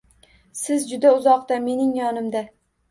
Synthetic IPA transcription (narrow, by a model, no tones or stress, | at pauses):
sɪzd͡ʒʊd̪aʊzɒqt̪ame̞nɪŋjɒnɪmd̪a